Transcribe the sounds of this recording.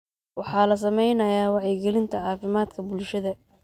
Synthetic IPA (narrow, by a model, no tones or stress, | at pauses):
wɑħɑːlɐs̬ɐmɛjnɐjaːwɑʕɛɡɛlɪnt̪ʰɐʕɑːfɪmaːd̪kʰɐbʊlʃɐðɐ